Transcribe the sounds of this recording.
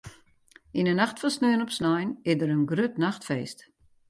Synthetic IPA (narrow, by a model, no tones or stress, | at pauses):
inənaxtfɔnsnøənɔpsnajnɪsdəɾənɡrøtnaxtfeːst